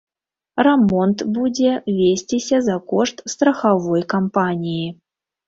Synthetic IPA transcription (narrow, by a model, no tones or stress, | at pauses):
rɛmɔnt̪bud͡zʲɛvʲesʲtʲisʲɐzakɔʂt̪st̪ɾɐxavɔjkampanʲiji